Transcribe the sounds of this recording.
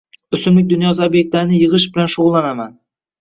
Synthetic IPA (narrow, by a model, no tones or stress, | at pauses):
ʊsɪmlɪk̚ʲd̪ʊnjɒzaobjek̚t̪laɾɪnɪjɨʁɨʃbɪlanʃʊʁʊlˠːanaman